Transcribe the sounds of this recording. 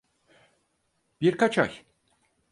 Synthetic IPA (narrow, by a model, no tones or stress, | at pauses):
b̥iɾkat͡ʃʰa̰j